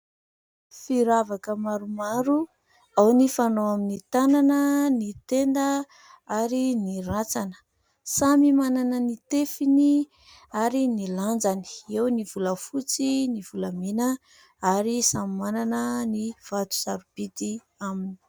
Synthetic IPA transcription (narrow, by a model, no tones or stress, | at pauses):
fiɾavakəmaɾumaɾu | awnifanoaminit̪ananənit̪end̪ə | aɾinirat͡sanə̥ | samimananənit̪efini | aɾiniland͡zani̥ewnivuləfut͡siniv̥uləmenə | aɾisamimananəniv̥at̪u̥zaɾub̥it̪i | amini̥